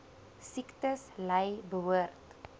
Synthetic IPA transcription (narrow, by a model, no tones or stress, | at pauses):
siktəslɛjbəɦuərt